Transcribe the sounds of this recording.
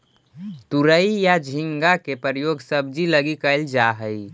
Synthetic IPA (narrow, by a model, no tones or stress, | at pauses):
t̪uɾəijad͡ʒʱiŋɡakepəɾəjoɡsəb̚d͡ʒiləɡikəld͡ʒaɦəi